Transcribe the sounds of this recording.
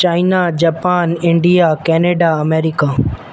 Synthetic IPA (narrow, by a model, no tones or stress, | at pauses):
t͡ɕaːɪnad͡ʑɐːpaːnɪ̃ɳɖijakɛːneːɖaɐmeːɾika